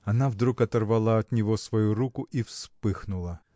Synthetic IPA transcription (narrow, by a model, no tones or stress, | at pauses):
ɐnavd̪ɾukɐt̪ɐrvalˠaɐt̪nʲɪvosvɐjuɾukʊʔifspɨxnʊlˠə